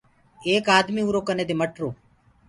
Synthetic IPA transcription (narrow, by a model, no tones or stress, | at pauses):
eːkaːd̪miːuːɾoːkəneːd̪eːməʈɾoː